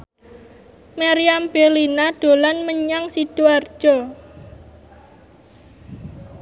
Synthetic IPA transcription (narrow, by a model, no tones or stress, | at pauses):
maɾiamb̥elinaɖ̥o̤lanməɲaŋsid̥uard̥ʒ̥ɔ